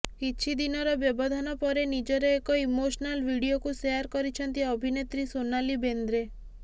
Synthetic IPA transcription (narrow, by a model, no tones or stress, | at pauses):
kit͡ʃʰid̪inɔɾɔbjɔbɔd̪ʱanɔpɔɾenid͡ʒɔɾeːkɔimoʃnalʋiɽiokuseaɾkɔɾit͡ʃʰɔnt̪iɔbʱinet̪ɾisonalibend̪ɾe